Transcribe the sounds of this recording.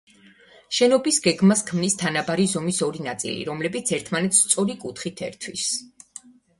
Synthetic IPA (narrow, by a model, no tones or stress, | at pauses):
ʃɛnɔbisɡɛɡmaskʰmnist̪ʰanabaɾizɔmisɔɾinat̪sʼḭlḭɾɔmlɛbit̪sʰɛɾt̪ʰmanɛt̪st̪sʼɔɾikʼut̪ʰχit̪ʰɛ̰ɾt̪ʰwis